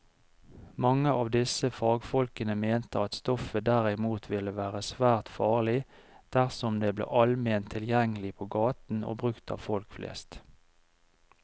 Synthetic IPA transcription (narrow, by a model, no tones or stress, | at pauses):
mɑŋəʔɑːʋd̪ɪsəfɑːɡfɔlkənəmeːnt̪əɑt̪st̪ɔfəd̪æʁɪmuːt̪ʰʋɪləʋæːʁəsʋæːʁt̪fɑːʁlɪd̪̥æʁsɔmd̪eːblḛːʔɑlmeːnt̪ʰɪljɛŋəlɪpʰoːɡɑːt̪n̩o̰ːbʁʉkt̪ʰɑ̰ːʋfɔlkflʔḛːst̪